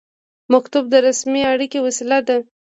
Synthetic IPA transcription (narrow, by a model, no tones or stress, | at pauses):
makt̪ʊb̚d̪əɾasmiaɽikewasilad̪a